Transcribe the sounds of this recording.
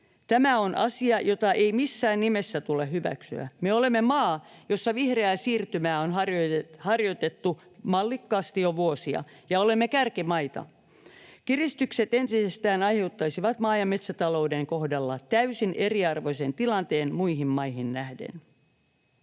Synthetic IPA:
t̪æmæo̞nʔɑsiɑjot̪ɑʔeimisːæːnnimesːæt̪ulehhyʋæ̰ksy̰æ̰meolemːemɑːjo̞sːɑʋihreæːˑsiːrt̪ymæːonɦɑrohɑrjot̪et̪ːu | mɑlːikːɑːst̪ioʋuosiɑ̰ | jɑolemːekærkimɑit̪ɑ̰ | kirist̪ykset̪ent̪isest̪æːnɑjhe̞ut̪ːɑisiʋɑt̪mɑːjɑmːet̪sæt̪ɑloudeŋkohdɑlːɑt̪æysinʔeriɑrʋoisent̪ilɑnt̪eːnmuiɦimmɑihinnæhdḛn

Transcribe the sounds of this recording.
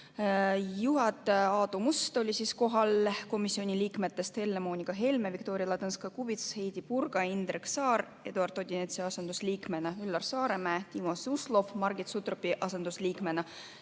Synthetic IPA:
juɦɑt̪ːˑɑːd̪umust̪o̞lʲisisko̞ɦɑlko̞misːio̞nʲiliːkme̞t̪ːe̞st̪he̞lːemo̞ːnʲiɡ̥ɑɦe̞lmevikt̪o̞ːɾiɑlɑt̪ɤnskɑkubit̪she̞jd̪̥ipurɡ̥ɑind̪ɾeksɑːɾ | e̞d̪uɑrt̪o̞d̪ʲinet̪siɑsend̪usliːkme̞nɑylːɑrsɑːɾe̞mæːt̪imosuslo̞fmɑrɡ̥it̪sut̪ropːiʔɑse̞nd̪usliːkmenɑ

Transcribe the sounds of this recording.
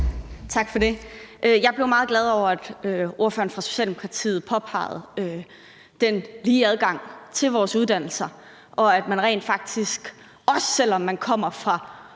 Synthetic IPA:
t͡sʰɑ̈ɡ̥fɒ̽d̥e̝ʔøjɑ̈ɪb̥le̝ʊmɑ̈ːð̞̩ˠɡlæð̞ˠɒʊ̰ɐæd̥øʔo̝ɐfø̰ːɐn̩fʁɑ̈so̝̥ɕɛ̰ːldemo̝kʰɑ̈t͡sʰḭːð̞̩ˠpʰɒ̽pʰɑ̰̈ɪð̞̩ˠø | d̥enliːæð̞ˠɡ̥ɑ̈ŋ̰t͡sʰe̝lʋɒːsuðˠd̥æn̰l̩sɐ | ʔɒ̽æd̥mænʁɛ̰ɪnd̥fɑ̈ɡ̥̚d̥isɡ̥ | ʔɒ̽sːel̰ɒ̽mːænkʰɒ̽m̰ɐfʁɑ̈

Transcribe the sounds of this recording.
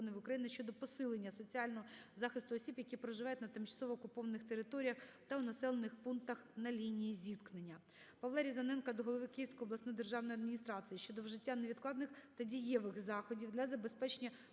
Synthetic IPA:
ɔnɪʋʊkɾɐjinɪʃt͡ʃɔd̪ɔpɔsɪlˠenʲːɐsɔt͡sʲiɑlʲnɔɦɔzɑxɪst̪ʊɔsʲibjɐkʲipɾɔʒɪʋɑjʊtʲnɐt̪ɪmt͡ʃɐ̥sˠɔʋɔːkʊpɔʋɐnɪxt̪eɾɪt̪ɔɾʲijɐxt̪ɐʊnɐsɛlˠenɪxpunkt̪ɐxnɐlʲinʲijizʲit̪knenʲːɐ | pɐʋlˠɛɾʲizɐnɛnkɐd̪ɔɦɔlˠɔʋɪkɪjiwsʲkɔjɔblˠɐsnɔjd̪erʒɑwnɔjɐd̪mʲinʲist̪ɾɑt͡sʲijiʃt͡ʃɔd̪ɔwʒɪtʲːaneʋʲid̪̚klˠɑd̪nɪxt̪ɐdʲijɛʋɪxzɑxɔdʲiwd̪lʲɐzɐbespɛt͡ʃenʲːɐ

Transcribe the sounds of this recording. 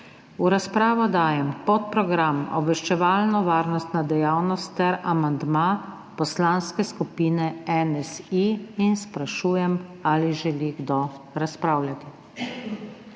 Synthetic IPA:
uɾaspɾaːʋɔd̪aːjɛmpɔt̪̚pɾɔɡɾamɔ̰bʋɛʃt͡ʃɛʋaːlnɔʋaːɾnɔst̪nad̪ɛjawnɔst̪ːɛɾamand̪ma | pɔslanskɛskupiːnɛɛnɛsiinspɾaʃuːjɛmaliʒɛliɡd̪ɔ | ɾaspɾawlʲjat̪i

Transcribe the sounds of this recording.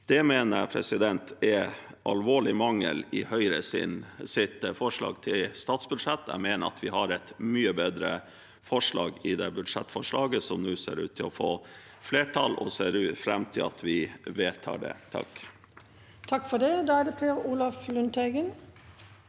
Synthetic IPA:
d̪̥ɛmeːnəɾpʰɾɛ̰sɪd̪ɛnt̪ʰɛʔɑlʋoːɭɪmɑŋə̰lɪhœʏɾəsɪ̰nsɪt̪fɔʂɭɑ̰ːɡt̪ʰɪlst̪ɑːt̪sbʉd̪ʂɛt̪ːæ̰meːnəɑ̰t̪ʰʋɪhɑɾɛt̪myːəbeːd̪ɾə̰ | fɔʂɭɑ̰ːɡɪd̪ɛbʉd̪ʂɛt̪ːfɔʂɭɑːɡəsɔmnuːsḛːɾʉ̰ːt̪ʰːɪlɔfoː | fleːʈʰɑlɔseːɾʉːfɾɛmt̪ʰɪlɑt̪ʋɪʋeːt̪ʰɑ̰ːɖɛ̰t̪ʰɑ̰k | t̪ʰɑkfɔɖɛd̪ɑæːd̪əpʰeːɾuːlɑflʉnt̪ʰeɡən

